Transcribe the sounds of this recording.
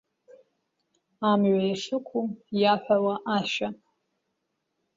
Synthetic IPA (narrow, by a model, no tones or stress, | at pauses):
amɥʷajaʂɨkʷʰujaħʷᶣawaʔaʃa